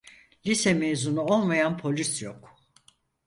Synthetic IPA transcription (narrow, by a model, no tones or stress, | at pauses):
lʲisɛmezunuo̞lˠmajanpʰo̞lʲisjok